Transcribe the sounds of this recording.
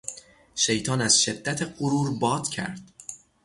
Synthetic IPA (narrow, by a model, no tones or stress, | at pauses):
ʃe̞jt̪ʰɒːnæz̥ʃe̞d̪ːæt̪ʰeɢoɾuːɾbɒːd̪̥cʰæ̰ɾd̪̥